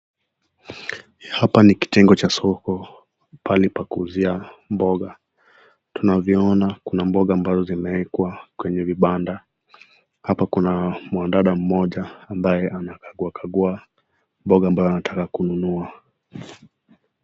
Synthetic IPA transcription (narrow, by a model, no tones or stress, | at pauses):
hapaniki̥tɛŋɡɔt͡ʃasɔkɔ | pʰalipakuːziambɔɠa | tunavjɔɔnakunambɔɠaːmbazɔzimaɛkwakwɛɲɛviɓanda | hapakunamwandaɗam̩mɔʄaːmbajɛʔanakaɡuakaɠua | mbɔɠaːmbajɔanatʰakakununua